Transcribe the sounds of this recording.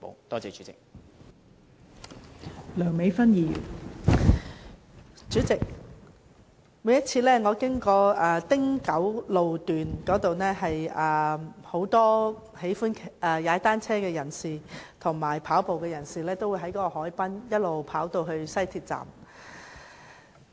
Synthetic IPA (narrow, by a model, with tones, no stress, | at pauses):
mo̰˨˧wt̪ɔː˥t͡sɛː˨˧t͡ʃy˨˥t͡sɪ̰˨k̚ | lœː˨˩ŋme˨˧jfɐ˥njiː˨˧jy̰˨˩n | t͡ʃyː˨˥t͡sɪ˨k̚ | muː˨˥jɐ˥t̚t͡sʰiː˧lɛː˥ŋɔː˧kɪ˥ŋkɔː˧ʔɛː˨t̪ɪ˥ŋkɐ˨˥wlo˨wt̪yː˨nkɔː˨˥t̪o˨wnɛː˥ɦɐ˨jɛː˨˩ho˨˥wt̪ɔː˥ | he˨˥jfuː˥nʰɛː˨jaː˨˥t̪aː˥nt͡sʰɛː˥kɛː˧jɐ˨˩nsiː˨t̪ʰʊ˨˩ŋmaː˨˩jpʰaː˨˥wpo˨wkɛː˧jɐ˨˩nsiː˨˩lɛː˥t̪o˥wu˧jɦɐ˨˥jkɔː˧˥kɔ˧hɔː˨˥jpɐ˥njɐ˥t̚lo˨wpʰaː˨˥wt̪o˧wɦɵ˧ɥsɐ˥jt̪ʰiː˧t̚t͡sa̰ː˨m